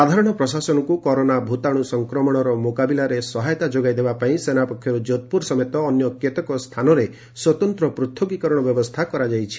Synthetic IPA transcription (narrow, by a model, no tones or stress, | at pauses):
sad̪ʱaɾɔɽ̃ɔpɾɔsasɔnɔkukɔɾonabʱut̪aɽ̃usɔŋkɾɔmɔɽ̃ɔɾɔmokabilaɾesɔɦajɔt̪ad͡ʒoɡajd̪ebapaĩsenapɔkʰːjɔɾud͡ʒot̪̚puɾsɔmet̪ɔːnjɔkjet̪ɔkɔst̪ʰanɔɾe | swɔt̪ɔnt̪ɾɔpɾut̪ʰːɔkikɔɾɔɽ̃ɔbjɔbɔst̪ʰakɔɾad͡ʒajt͡ʃʰi̥